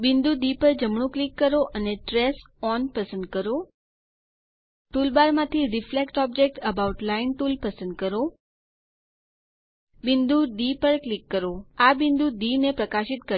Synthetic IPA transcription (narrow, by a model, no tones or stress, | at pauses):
bɪnd̪ud̪ipəɾd͡ʒəmɳ̃ũklikːəɾoʔəneʈɾes | ɔnpəsənd̪kəɾo | ʈulbaɾmãt̪ʰiɾiflekʈɔb̚d͡ʒek̚ʈəbauʈlainʈulpəsə̃nd̪̚kəɾo | bɪnd̪ʱuɖ̪ipəɾklikːəɾoabind̪udinepɾəkaʃit̪kə